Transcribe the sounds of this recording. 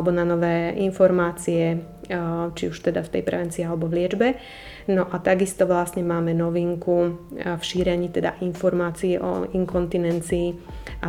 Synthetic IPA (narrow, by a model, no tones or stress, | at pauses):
bɔnanɔʋɛːʔinfɔɾmaːt͡siɛ | t͡ʃiuʃt̪ɛd̪aft̪ɛ̰jpɾɛ̰ʋɛnt͡siːalɛbɔvlɪɛd͡ʒbɛ | nɔʔat̪aɡist̪ɔʋlasɲɛmaːmɛnɔʋiːŋkufʃiːɾɛɲiːt̪ɛd̪a̰ʔinfɔɾmaːt͡siɛʔɔ̰iŋkɔnt̪inɛnt͡siːa